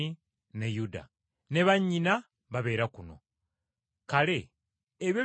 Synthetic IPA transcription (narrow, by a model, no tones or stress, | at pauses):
i | nejuda̰ | ne̞βaɲːina | βaβe̞ːɾakuno̞̰ | kale̞ː | βjo